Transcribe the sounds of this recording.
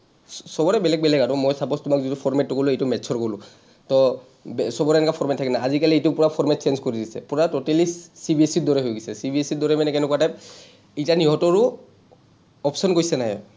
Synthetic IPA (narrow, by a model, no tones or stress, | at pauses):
sɔbɔɹɛbɛlɛɡ̚bɛlɛɡatɔmɔjsapɔstʊmakzitupʰɔɹmɛtːɔkɔlʊejtumɛtsʰɔɹkolʊ | tɔ | bsɔbɔɾɛɛnɛkapʰɔɹmɛtʰːakɛnaazikalietupʊɹapʰɔɹmɛt̚senzkoɹidisɛ̰puɹatotelisːibʱiesidɔɹɛɦojɡisɛsibiɛsidɔɹɛmanɛkɛnɛkuatap | itaniɦɔtɔɹu | ɔpsɔnkoɹisɛnajɔ̰